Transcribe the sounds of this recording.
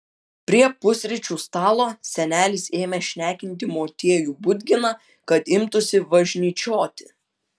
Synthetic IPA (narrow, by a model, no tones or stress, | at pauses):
pʲɾʲiɛpʊsʲɾʲɪt͡ʃʲuːst̪ɑːlˠoːsʲɛnʲæːlʲɪseːmʲɛʃʲnʲæːkʲɪnʲt̪ʲɪmoːt̪ʲeɛjuːbʊd̪ʲɡʲɪnɑ | kɐt̪ɪmt̪ʊsʲɪʋɐʒʲnʲiːt͡ʃʲoːt̪ʲɪ